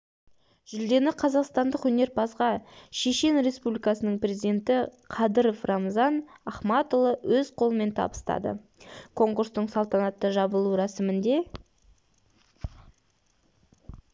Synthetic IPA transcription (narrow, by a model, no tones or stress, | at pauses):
ʒ̥ʏld̪e̞nɪqʰɑzɑqst̪ɑnd̪əqwɵne̞ɾpɑsʁɑʃe̞ʃe̞nɾe̞spublijkɑsənəɴprʲezid̪e̞nt̪ɪ | qʰɑd̪əɾofrɑmzɑnɑχmɑt̪olˠəwɵzqʰolˠəme̞nt̪ʰɑ̰bə̥st̪ɑ̰d̪ə̰ | kʰo̞ŋkuɾst̪əɴsɑlˠt̪ɑnɑt̪ːəʒɑbəlˠuɾɑsɪmɪnd̪e̞